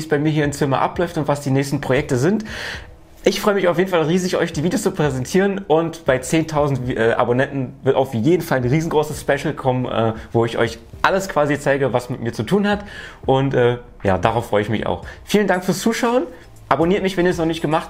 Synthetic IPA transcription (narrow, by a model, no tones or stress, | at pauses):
viːsb̥aɪmiːɐiːɐɪnt͡sɪmɐ̰ʔa̰plɔʏftʊntv̥asd̥iːnɛːçstn̩pʁ̥ojɛk̚təzɪnt | ʔɪçfʁɔʏəmɪçaʊfjeːdn̩falʁiːzɪçʔɔ̰ʏçd̥iːviːdjot͡supʁ̥ɛzɛntʰiːʁənʔʊntb̥aɪt͡seːntʰaʊzn̩tʔɛːʔa̰bonɛntn̩vɪɐtaʊfjeːdn̩falnʁiːzn̩ɡʁoːsəsspɛʃl̩kʰɔmənʔɛ̰ːvoːɪçʔɔ̰ʏç | ʔaləskv̥aːzit͡saɪɡəvasmɪtmiːɐt͡sutʰuːnhatʔʊntʔɛː | ja̰ːdaʁaʊfʁ̥ɔʏəɪçmɪça̰ʊxfiːləndaŋkfyːɐst͡suːʃaʊən | ʔaboniːɐtmɪçvɛniːɐsnɔχnɪçtɡ̥əmaχt